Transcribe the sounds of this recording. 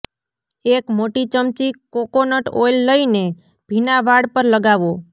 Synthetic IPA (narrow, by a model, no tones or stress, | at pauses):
ekmoʈit͡ʃəmt͡ʃikokonəʈʰojlːəine | b̥ʱinaʋaɽpəɾləɡaʋo